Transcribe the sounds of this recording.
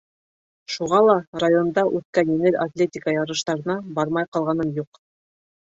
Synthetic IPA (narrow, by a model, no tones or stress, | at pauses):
ʃuʁɑlˠɑrajo̞nd̪ɑʔʉt̪kænjɘ̆ŋɘɾat̪lʲet̪ʲikajɑɾɤ̆ʃt̪ɑɾɤ̆nɑbɑɾmɑjqɑlˠʁɑnɤnjuq